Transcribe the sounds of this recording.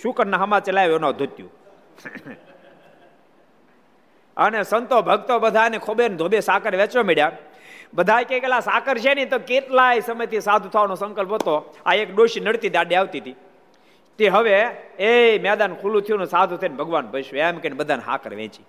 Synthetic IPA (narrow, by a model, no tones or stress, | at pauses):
ʃukəɾnaɦəmat͡ʃəlajʋonad̪ʱot̪jṵ̃ | ə̰nesənt̪obʱəɡt̪obəd̪ʱanekʰobend̪ʱobesakəɾʋɛ̃t͡ʃomeɽja | bəd̪ʱajkekelasaːkəɾt͡ʃʰenit̪oket̪lajsəməjt̪ʰisad̪ʱut̪ʰaʋanosə̃ŋkəlpɦət̪oaekɗoʃinəɽt̪id̪aɖiaʋt̪it̪ʰi | t̪eɦəʋeemɛd̪ankʰulũt̪ʰijunũsad̪ʱut̪ʰəjnbʱəɡʋanbʱəʃʋamkenbəd̪ʱanɦa̰kʰəɾʋɛ̰̃ːt͡ʃi